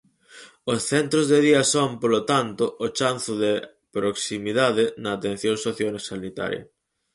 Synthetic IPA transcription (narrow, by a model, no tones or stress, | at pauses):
osθent̪ɾozðeðiasompolot̪ant̪oʔot͡ʃan̟θoð̞e | pɾoksimiðað̞enaːt̪ẽn̟θjoŋsoθjonesanit̪a̰ɾjɐ̰